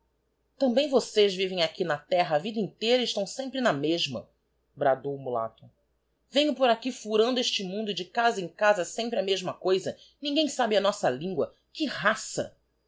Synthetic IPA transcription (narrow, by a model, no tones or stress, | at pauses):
t̪ɐ̃mbẽj̃vosezvivẽj̃akinɐt̪ɛɦɐːvid̪ɐĩnt̪ejɾɐɪʃt̪ɐ̃w̃sẽmpɾɪnɐmeʒmɐ̰ | bɾad̪owumula̰t̪ʊ̥ | vẽɲʊpoɾakifuɾɐ̃nd̪ʊeʃt͡ʃɪmũnd̪ʊɪd͡ʒɪkazɐẽkazɐsẽmpɾɪɐmeʒmɐkojzɐ | nĩɡẽj̃sabɪɐnɔsɐlĩŋɡwɐ | kɪɦasɐ̰